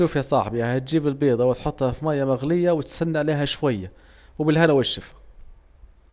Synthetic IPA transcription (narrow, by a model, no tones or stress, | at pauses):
uːfjasˤɑħbihat̪̚d͡ʒiːbɪlbiːd̪ˤɑwɪt̪ħʊt̪ˤːhɑfimaːjːamaɣlɪjːawɪt̪sanːaʕleːɦaʃwajːa | wbɪlhanawaʃːɪfḁ